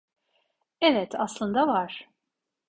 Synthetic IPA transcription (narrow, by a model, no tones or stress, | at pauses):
ɛvɛt̪ʰaslˠɯnd̪avaɾ̥